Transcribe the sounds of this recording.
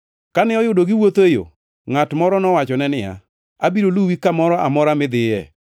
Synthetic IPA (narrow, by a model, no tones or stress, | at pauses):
kanɪɔjʊdoɡɪwot̪ejo̰ | ŋatmɔɾɔnɔwat͡ʃɔnɛnɪa̰ | abiɾoluwikamɔɾɔʔamɔɾamɪd̪ɪjɛ̰